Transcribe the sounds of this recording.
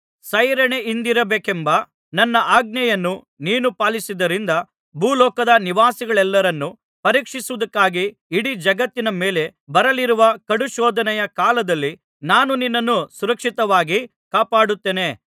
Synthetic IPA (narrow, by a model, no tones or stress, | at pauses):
sɐjɾɐɳeind̪iɾɐbeːkembɐ | nɐnːɐʔaːɡ̚nɐjɐnːu | niːnupaːlisid̪ɐɾind̪ɐ | bʱuːlɔːkɐd̪ɐniʋaːsiɡɐɭɛlːɐɾɐnːu | pɐɾiːkʂisuʋɐd̪ɐkːaːɡiː | ɽid͡ʒɐɡɐt̪ːinɐme̞ːle̞bɐɾɐliɾuʋɐkɐɽuʃɔːd̪ʱɐnɛjɐkaːlɐd̪ɐlːi | naːnuninːɐnːusuɾɐkʂit̪ɐʋaːɡi | kaːpaːɽut̪ːeːne̞